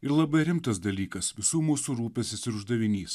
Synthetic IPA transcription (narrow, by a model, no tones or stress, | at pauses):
ɪɾlˠɐbɐɪɾʲɪmt̪ɐsd̪ɐlʲiːkɐsʋʲɪsuːmuːsuɾuːpʲɛsʲɪsɪɾʊʒd̪ɐʋʲɪnʲiːs